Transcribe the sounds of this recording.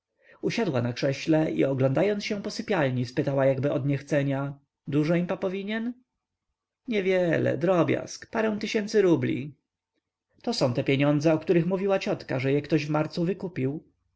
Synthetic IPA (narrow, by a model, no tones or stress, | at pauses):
uɕad̪wanakʂɛɕlɛʔḭɔɡlɔ̃nd̪ajɔnsɕɛ̃pɔsɘpʲjalɲispɘt̪awajaɡbɘɔd̪ɲɛxt̪sɛɲa | d̪uʐɔimpapɔvʲiɲɛn | ɲɛvʲjɛlɛ̰d̪ɾɔbʲja̰skpaɾɛ̃w̃t̪ɘɕɛnt̪sɘɾublʲḭ | t̪ɔsɔ̃w̃t̪ɛpʲjeɲɔnd̪zɛɔkt̪uɾɘxmuvʲiwat͡ɕɔt̪kaʐɛjɛkt̪ɔʑvmaɾt̪suvɘkupʲiw